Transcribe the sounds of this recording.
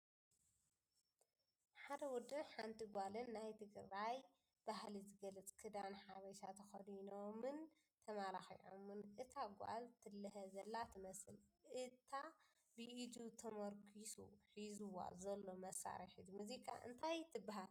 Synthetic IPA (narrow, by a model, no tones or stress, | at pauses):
ħad̪ɐwɔd̪ɨnħant̪ʰiɡʷalɨnːajt̪ʰɨɡɾaj | b̥ahlizɨɡɐlɐt͡sʼkʰɨd̪anħaβɐʃat̪ʰɐxɐd̪inomɨn | t̪ʰɐmalaxḭʕo̰mɨnʔɨt̪ʰaɡʷa̰lt̪ʰɨlːɨɦɐzɐlːat̪ʰɨmɐsɨlʔɨt̪ʰa | bɨʔid͡ʒ̪ut̪ʰɐmɐɾkʰisṵħizuwa̰zɐlːo̞mɐsa̰ɾɐħid̪muzikʼa̰ʔɨ̰nt̪ʰajt̪ʰɨbaɦal